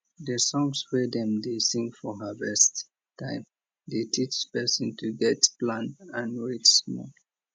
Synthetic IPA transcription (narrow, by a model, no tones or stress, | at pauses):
dəsɔ̃ŋswɛdɛ̃mdesĩŋfɔɦəvɛst | tʰːãɪ̃m | detʰit͡ʃpɛsə̃ntʰuɡɛtplãnãnɹetsmɔ̰